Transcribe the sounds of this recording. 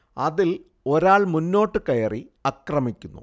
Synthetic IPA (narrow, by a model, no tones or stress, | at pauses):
ɐðil | o̞ɾaːɭmunːo̞ːʈːɨkɐjɐriɐkrɐmikʲːunːṵ